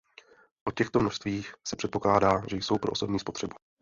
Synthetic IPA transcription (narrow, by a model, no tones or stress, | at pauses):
ʔocɛxt̪omnoʃst̪viːxsɛpr̝ɛt̪̚po̞klaːdaːʒɛjso̞wpɾoʔoso̞bɲiːspo̞t̪r̥ɛbu̥